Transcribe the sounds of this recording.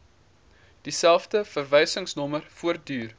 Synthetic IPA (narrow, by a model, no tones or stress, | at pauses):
d̥isælˠfdəfərvəjsəŋsnɔmərfuərt̚dyːr